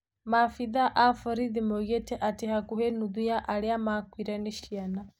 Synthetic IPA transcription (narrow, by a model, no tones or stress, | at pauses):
mafiðaʔafɔɾiðimɔɣɛtʰɛʔatihakuhɛnuðujaʔalɛamakwiɾɛniʃiana